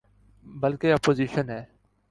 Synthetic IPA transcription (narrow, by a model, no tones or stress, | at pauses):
bəlkeːɔpoːziːʃənɦɛː